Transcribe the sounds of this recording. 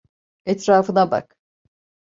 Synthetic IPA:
ɛt̪ɾaːfɯnaba̰k

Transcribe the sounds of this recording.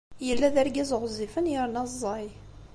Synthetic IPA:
jəlːæðæɾɡizˤʁzifənjəɾnɑzˤːɑj

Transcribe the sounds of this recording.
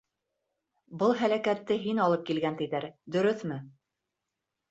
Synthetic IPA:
bɤlˠɦælækæt̪ːɘɦinɑlˠɤp̚kilɡænt̪ɘ̆jðæɾd̪ɵ̆ɾɵθmɘ

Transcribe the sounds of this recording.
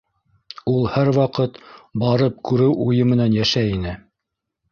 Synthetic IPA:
ulˠhæɾwɑqɤt̪bɑɾɤp̚kʉɾɘwujɤmɘ̆nænjæʃæinɘ

